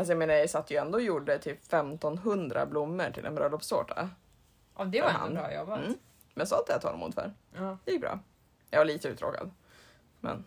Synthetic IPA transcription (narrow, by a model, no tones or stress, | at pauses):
as̬ɔjameːnaɾɪsat̪ːjəɛnd̪oːjuɖːət̪ʰyːpːfɛmt̪ɔnɦɵnd̪ɾa̰blʊmːəʈʰɪlɛ̰bɾœlɔpso̰ːʈʰa̰ | ʔɔd̪ɛaha̰nɾɑjɔba | mɛnsɔat̪̚d̪ɛat̪ʰɑ̰ːlmṵːd̪fœ̰ɾjɪk̚bɾɑ̰ː | jɑvaɭiːt̪əʉt̪ɾo̰ːka̰d̪ | mɛ̰n